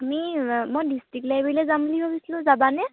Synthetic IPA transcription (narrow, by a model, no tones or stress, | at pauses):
amimɔjdistɹik̚lajbilɛzamblibʱabisilʊ̃zabanɛ